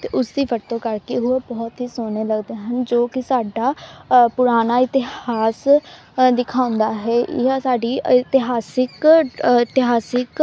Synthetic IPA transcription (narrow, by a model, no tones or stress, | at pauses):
t̪eːʊsd̪iːʋət̪ːõːkəɾkeːɦʊeːbɔːt̪ɦiːsoːneːləɡd̪eːɦənd͡ʒoːkɪsaːɖaːpʊɾaːnaːɪt̪ɪhaːs | d̪ɪkʰaːʊ̃nd̪aːɦɛːʔɪ̰aːsaːɖiːɪt̪ɪɦaːsɪkɪt̪ɪɦaːsɪk